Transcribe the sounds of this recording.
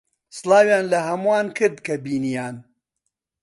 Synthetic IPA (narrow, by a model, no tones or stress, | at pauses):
sɨlaːwjaːnlɐhɐmuwaːnkɨɾd̪kɐbiːnijaːn